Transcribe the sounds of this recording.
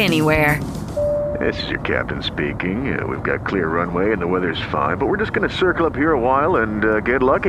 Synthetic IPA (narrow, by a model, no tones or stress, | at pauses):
ɛniwɛɹ | ðɪ̰sɨzjə̰˞kʰæ̰p̚tɨ̃n̩spikɪ̃ŋ̰wḭvɡɑ̰t̚kʰl̥ɪɹːʌ̃nweɪɨ̃nðəwɛðə˞z̥fã̰ɪ̃nbʌt̚wɨɹd͡ʒʌsɡ̥ʌnɨsɜ˞kl̩ˠʌphiɹəwaɪlˠə̃nɡɛtˡlʌki